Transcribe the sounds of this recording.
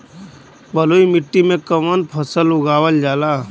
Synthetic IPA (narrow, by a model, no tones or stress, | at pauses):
bəloːimɪʈːimẽkəmənpʰəsəlʊɡaːʋəld͡ʒaːla